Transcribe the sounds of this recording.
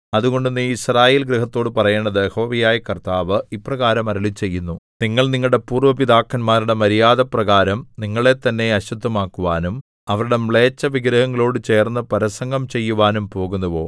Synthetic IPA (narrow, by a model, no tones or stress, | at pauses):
ɐðuɣo̞ɳɖuniːisraːjeːlɡɾiɦɐt̪ːo̞ːɽɨpɐrɐjeːɳɖɐðɨeho̞ːʋijaːjɐkɐrt̪aːʋɨiprɐɣaːɾɐmɐɾɐɭit͡ɕːe̞jːunːuniŋːɐɭniŋːɐɭɽe̞puːrʋɐpiðaːkːɐnmaːɾiɽe̞mɐɾijaːðɐprɐɣaːɾɐmniŋːɐɭe̞t̪ːɐnːe̞ɐɕud̪ʱːɐmaːkːuʋaːnum | ɐʋɐɾuɽe̞mɭe̞ːt͡ɕːɐʋiɡɾɐhɐŋːɐɭo̞ːɽɨt͡ɕe̞ːrnːɨpɐɾɐsɐŋɡɐmt͡ɕe̞jːuʋaːnumpo̞ːɣunːɐʋo̞ː